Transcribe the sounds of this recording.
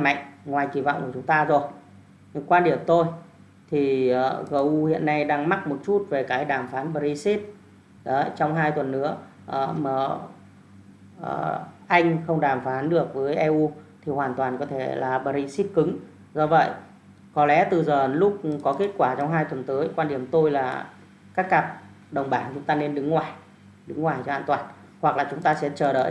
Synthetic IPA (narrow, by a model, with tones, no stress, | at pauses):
ma̰˧˨ŋ̟ŋwaː˨˩jki˧˨˩va̰˧˨ŋ͡mku˧˩˨t͡ɕʊ˨˦ŋ͡mt̪aː˧zo˨˩j | kwaː˧ɗi˨˩əwt̪o˧j | t̪ʰi˨˩ʔəː˨˩ɣəː˧˩ʔu˧hḭ˧˨ənːa˧jɗaː˧ŋma˦˥t̚mo˨˩t̚t͡ɕu˦˥t̚ve˨˩kaː˨˦jɗaː˧˩mfaː˨˦nɓəː˧˩ɾi˧si˦˥t̚ | ɗəː˨˦˨t͡ɕɔ˧wŋ͡mɦaː˧jt̪wə˨˩nːɨ̰˧˥ə | ʔəː˨˩məː˨˩ | ʔəː˨˩ʔa˧jŋ̟xə˧wŋ͡mɗaː˧˩mfaː˨˦nɗɨ˨˩ək̚vəː˨˦jʔɛ˧ʔu˧t̪ʰi˨˩hwaː˨˩nt̪waː˨˩nkɔ˨˦t̪ʰe˧˩laː˨˩ɓəː˧˩ɾi˧si˦˥t̚kɨ˨˦ŋ | zɔ˧və̰˧˨j | kɔ˨˦lɛ̰˧˥t̪ɨ˨˩zəː˨˩lʊ˦˥k͡p̚kɔ˨˦ke˦˥t̚kwaː˧˩t͡ɕɔ˧wŋ͡mɦaː˧jt̪wə˨˩nt̪əː˨˦jkwaː˧nɗi˨˧˩əmt̪o˧jlaː˨˩ | kaː˦˥kːa˨˩p̚ | ɗə˨˩wŋ͡mɓaː˧˩nt͡ɕʊ˨˦ŋ͡mt̪aː˧ne˧nɗɨ˨˦ŋːwaː˨˩j | ɗɨ˨˦ŋwaː˨˩jt͡ɕɔ˧ha̰ː˧˨nt̪waː˨˩n | hwa˨˩k̚laː˨˩t͡ɕʊ˨˦ŋ͡mt̪aː˧sɛ̰˧˥t͡ɕəː˧˩ɗə̰ː˧˨j